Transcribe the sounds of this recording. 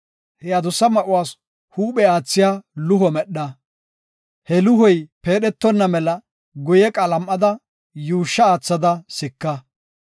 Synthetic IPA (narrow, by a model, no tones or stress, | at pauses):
hɛɐd̪ʊsːɐmɐʔʊwaːs | huːɓɛaːt͡sːɪjaːlʊɦɔmɛɗːɐ | hɛlʊɦɔjpeːɗɛt̪ːɔnːɐmɛlɐ | ɡʊjɛkʼɐlɐmʔːɐd̪ɐ | juːʃːɐaːt͡sːɐd̪ɐsɪkːɐ